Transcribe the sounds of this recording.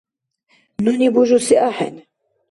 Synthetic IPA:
nunibuʒusiʔaħɛ̰n

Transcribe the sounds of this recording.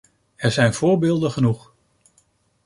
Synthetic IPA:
ɛɹzɛjnv̥ʊːɹbɪːlˠdəχənuχ

